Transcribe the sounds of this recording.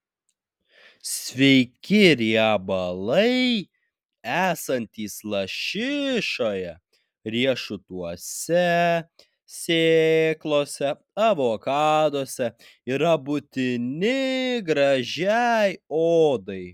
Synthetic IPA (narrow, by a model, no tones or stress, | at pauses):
sʲʋʲɛɪkʲɪɾʲiɛbɐlˠɐɪ | æːsɐnʲt̪ʲiːslˠɐʃʲɪʃoːjɛ | ɾʲiɛʃʊt̪uɔsʲɛ | sʲeːklˠoːsʲɛ | ɐʋoːkɑːd̪oːsʲɛ | iɾɐbʊt̪ʲɪnʲɪɡɾɐʒʲæɛjoːd̪ɐɪ